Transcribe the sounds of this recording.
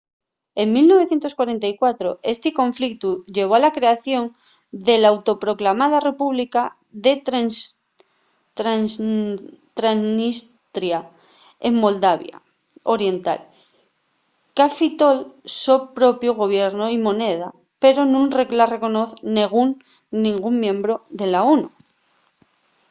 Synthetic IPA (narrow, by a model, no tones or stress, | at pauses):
e̞ŋmilno̞β̞e̞θjent̪o̞skwaɾe̞nt̪aikwat̪ɾo̞e̞st̪iko̞ɱflik̚t̪uʝe̞β̞o̞alakɾe̞aθjo̞ŋ | d̪e̞lawt̪o̞pɾo̞klamað̞are̞puβlika | ðe̞t̪ɾ | t̪ɾan | t̪ɾannis | t̪ɾja | eŋmo̞ld̪aβja̰ | o̞ɾje̞nt̪a̰l | kafit̪o̞lsopɾo̞pjoɣ̞o̞β̞je̞ɾnoimõ̞ne̞ð̞a | pe̞ɾo̞nũnreklare̞ko̞no̞θneɣunː | ĩŋɡuŋmjẽ̞mbɾo̞ðe̞laonu